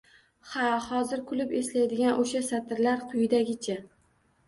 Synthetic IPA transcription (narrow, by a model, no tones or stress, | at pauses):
hahɒzɪɾkʰʊlʊpe̞slajd̪ɪɡʲanʔoʃasat̪ʰɪɾlaɾqʰʊjɪd̪aɡʲɪt͡ʃʰa